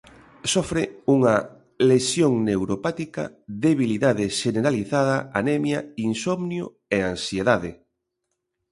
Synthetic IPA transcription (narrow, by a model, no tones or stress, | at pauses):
sɔfɾeuŋɐ | lesjoŋnewɾopat̪ikɐ̰ðeβiliðaðeʃeneɾaliθaðɐanemjɐinsɔmnjo̰ | eansjeðaðɪ